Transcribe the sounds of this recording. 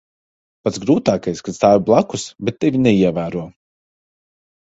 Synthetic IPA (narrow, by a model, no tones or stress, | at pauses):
pat̪sɡɾuːt̪aːkajskat̪st̪aːvʲblˠakusbɛt̪ːevʲinɛiɛvæːɾuɔ